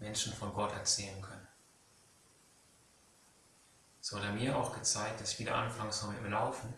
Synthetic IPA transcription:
mɛnʃn̩fɔnɡɔtɛ̰ɐt͡sɛːlənkʰœnə | z̥ohatəmiːɐʔaʊxɡ̥ət͡saɪk̚t̚d̥asɪçv̥iːdɐ̰ʔa̰nfaŋsomɪɪmlaʊfn̩

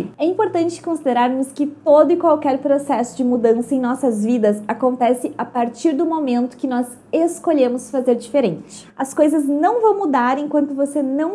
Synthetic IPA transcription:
ɛĩmpoɾt̪ɐ̃nt͡ʃɪ̥kõsid̪eɾaɾnʊskɪt̪od̪ʊɪkwawkɛɾpɾosɛsʊd͡ʒɪmud̪ɐ̃sɐẽj̃nɔsɐzvid̪ɐzakõnt̪ɛsɪapaɾt͡ʃiɾd̪ʊmomẽnt̪ʊ̥kɪnɔz | eskoʎẽmʊsfazeɾd͡ʒifeɾẽnt͡ʃɪɪ̥ | ɐskojzɐznɐ̃w̃vɐ̃w̃mud̪aɾẽkwɐ̃nt̪ʊvosenɐ̃w̃

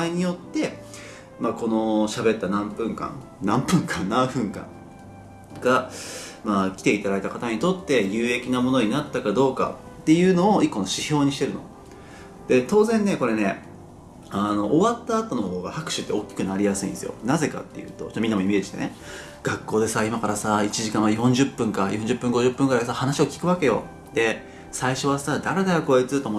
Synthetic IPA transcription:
aiɲ̟ijo̞t̪ːe̞ | mako̞no̞ɕabe̞t̪ːanãmpɯ̟̃ŋkã̰ŋ | nãmpɯ̟̃ŋkãnːãɰ̃ɸɯ̟̃ŋkã̰ŋ | ɡaamaːkʲi̥t̪e̞it̪ad̪ait̪akat̪aɲ̟it̪o̞t̪ːe̞jɯːe̞kʲinamo̞no̞ɲ̟inat̪ːakad̪o̞ːka̰t̪ːe̞jɯ̟ːno̞ːikːo̞noɕiço̞ːɲ̟iɕi̥t̪e̞ɾɯ̟no̞ | d̪̥e̞t̪o̞ːzẽ̞nːe̞ko̞ɾe̞ne̞ | ano̞ʔːβat̪ːaːt̪o̞nooɦo̞ːɡa̰hakɯ̟̥ɕɨ̥t̪ːeo̞kʲːi̥kɯ̟naɾʲijasɨḭ̃d̪esɨjo̰naze̞ka̰t̪ːe̞jɯ̟̰ːt̪o̞̰t͡ɕot̪ːominːamo̞ime̞ːd͡ʑiɕit̪e̞̰nḛ | ɡ̥akːo̞ːd̪e̞saimakaɾasait͡ɕiʑikãɰ̃ajõ̞ɲ̟d͡ʑɨpːɯ̟̃ŋkajõɲ̟d͡ʑɨpːɯ̟̃ŋɡo̞ʑɯpːɯ̟̃ŋɡɯ̟ɾaisahanaɕio̞kʲi̥kɯ̟βake̞jo̞̰ | d̪̥e̞ | saiɕo̞asad̪aɾe̞d̪aɾako̞et͡sɨt̪omo

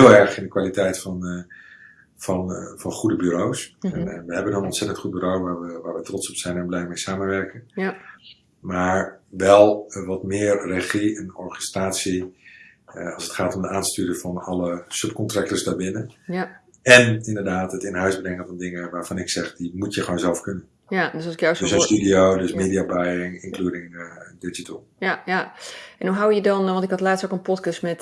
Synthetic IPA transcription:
ɪlˠɛɹχɪndəkʋaːlitɛjtfɑn | fɑnfɑnχudəbyɾowsɛnnʋəɦɛbənənɔnsɛtəntχut̚byɾowʋaːɹʋəʋaːɹʋətrɔtsɔpsɛjnɛnblɛjmejsaːmənʋɛɹkən | maːɹʋɛlˠʋɑtmɪːrːeχiɛnɔɹχɛstraːtsi | ɑlˠsətχaːtɔmdəaːnstyːɾəvɑnɑləsɵp̚kɔntrak̚təsdaːɹbɪnə | ɛnɪndərdaːtətɪnɦœɥsbrɛŋənvɔndɪŋəʋaːɹfɑnɪksɛχdimutjəχoːnzɛlˠfkønən | adssɪkjadøsənstydioːdøsmeːdiabajɪŋɪŋklyədɪŋdɪd͡ʒitəlˠaɛnuɦawjədɔnʋɔntɪkhɑtlaːtsokənpɔtkəstmɛt

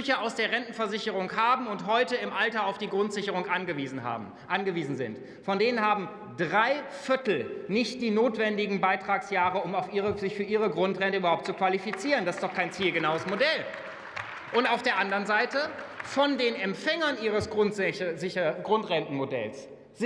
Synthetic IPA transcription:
ʏçɐaʊsd̥eːɐʁɛntn̩fɛɐzɪçəʁ̞ʊŋhaːbm̩ʊntɦɔʏtəɪmʔaltɐaʊfd̥iːɡʁʊntz̥ɪçəʁ̞ʊŋʔanɡəviːzn̩ha̰ː | ʔanɡəviːzn̩zɪ̰nt | fɔndeːnənɦaːbm̩ | dʁaɪfɪɐtl̩nɪçt̚d̥iːnoːtv̥ɛndɪɡŋ̩baɪtʁ̥aːksjaːʁəʊmaʊfʔiːʁəzɪçfyːɐʔiːʁəɡʁʊntʁɛntəyːbɐhaʊpt̚t͡sukv̥alifit͡siːʁəndasɪstd̥ɔχkʰaɪnt͡siːlɡənaʊəsmodɛl | ʔʊntaʊfd̥eːɐʔandɐʁənzaɪtə | fɔndeːnɛmpfɛŋɐnʔiːʁ̞əsɡ̥ʊzɪɡʁʊntʁɛntn̩modɛ̰ls | z̥

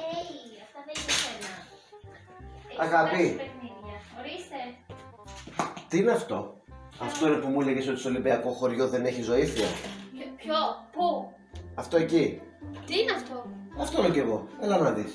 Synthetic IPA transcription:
eɐft̪ɐiesenɐ | ɐɣɐpiniðɐɾise | t̪iineɐft̪o̞ɐft̪o̞inepumuleʝeso̞t̪iso̞libeɐko̞xo̞ɾʝo̞ðe̞ne̞çizo̞iθiɐ̰ | opu | ɐft̪o̞e̞cit̪ineɐft̪oɐft̪oloɟeɣo̞elɐnonɐðis

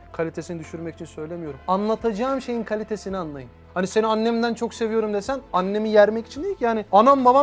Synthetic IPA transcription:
kʰalʲit̪ʰe̞sinid̪yʃyɾmɛci̥t͡ʃʰinsø̞jlʲe̞mijo̞ɾumanlˠat̪ʰad͡ʒaːmʃe̞jinkʰalʲit̪ʰe̞sinianlˠajɯnhanise̞nianːemind̪ænt͡ʃʰo̞kse̞vijo̞ɾumd̪esænanːe̞mijæɾmɛci̥t͡ʃʰind̪ejikjaːnianambaba

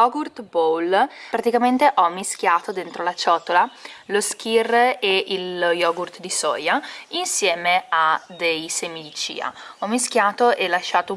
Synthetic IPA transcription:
jɔɡurt̪bolpɾat̪ikament̪eʔɔmːisk̟jaːt̪od̪ent̪ɾolat͡ʃɔːt̪olalosk̟ireiljɔɡurt̪d̪isɔ̰ːjainsjɛːmead̪ejsemid̪it͡ʃḭːa̰ɔmːisk̟jaːt̪oʔɛlːaʃaːt̪o

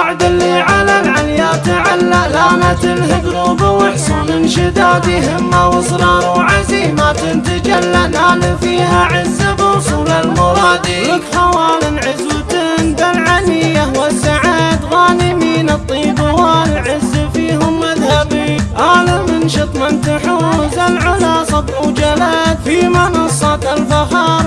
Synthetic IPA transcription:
aʕd̪ɪlːiʕalalʕaljaːt̪ʕalːalaːlat̪ɪlhɪd̪ɾuːbɪwɪħsˤuːnɪnʃɪd̪aːd̪iɦɪmːawʊsˤɾˤɑːnuʕazimat̪ɪnt̪ad͡ʒalːalʔaːlafiːhaʕɪzːabɪʊsˤuːlalmʊɾˤɑːd̪iɪkħawaːlɪnʕɪzʊt̪ɪnbalʕanijawasːaʕaːd̪ɣaːnɪmiːnɨt̪ˤːiːbɪwaːlʕɪzːafiːhʊmːaðhabiʔaːlamɪnʃɪt̪ˤmɪnt̪aħuzalʕʊlasˤɑbʕud͡ʒalat̪fimɑnɑsˤːɑt̪alfaxɑːɾˤ

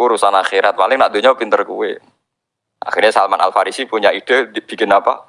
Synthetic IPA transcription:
uɾusanaxeɾat̪̚palɪŋnaʔd̪uɲawpint̪ərkuwɪ | ʔa̰xirɲasalmana̰lfaɾisipuɲaid̥e̤b̥i̤kɪnapa̰

